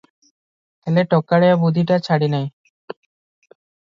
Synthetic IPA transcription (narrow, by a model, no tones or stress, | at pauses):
heleʈɔkːaɽeabud̪ʱiʈat͡ɕʰaɽinaj